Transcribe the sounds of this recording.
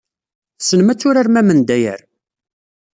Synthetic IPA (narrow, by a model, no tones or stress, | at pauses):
sənmæt͡sːʊɾaɾmæmənd̪æjə̰ɾ